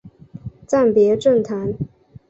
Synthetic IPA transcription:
t͡sa˥˩npjɛ˧˥ʈ͡ʂə˥˩nt̪ʰa˧˦n

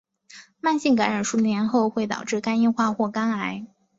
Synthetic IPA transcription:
ma˥˧nɕi˥˩ŋka˧˥nɻa˨˩nʂu˥njɛ˧˥nxo˥˧ʊxwe˥˩ɪt̪ɑ̰˨˩ʊʈ͡ʂɻ̩˥˩ka˥ni˥nxwa˥˧xwɔ˥˩ka˥na˧˥ɪ

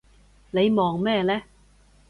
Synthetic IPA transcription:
le˨˧jmɔː˨ŋmɛː˥˧lɛː˥

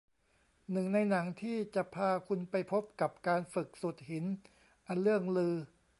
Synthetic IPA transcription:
nɯ˨˩ŋna˧jna˩˦ŋt̪ʰiː˥˩t͡ɕa˨˩ʔpʰaː˧kʰu˧npa˧jpʰo˦˥p̚ka˨˩p̚kaː˧nfɯ˨˩k̚su˨˩t̪̚hi˩˦n | ʔa˧nlɯ˥˩əŋlɯː˧

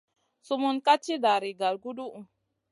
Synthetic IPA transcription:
su˦mu˦nka˦t͡ʃːi˦da˨ɾi˨ɡa˨lɡu˦du˦ʔu˨

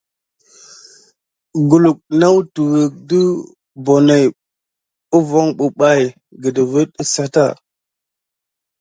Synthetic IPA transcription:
ɡu˨lu˨k̚na˦wtu˨wə˨k̚di˦ | bo˨ne˨j | u˦vo˦ŋɓu˨ɓa˦˨j | ɡə˨də˨və˦tə˦sa˦ta̰˦˨

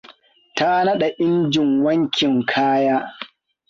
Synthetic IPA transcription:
ta˦nɐ˦ɗa˨ʔɪ˦nd͡ʒɪ˨ŋwɐ˦ŋkʲɪ˨ŋkʰaː˦jaː˦

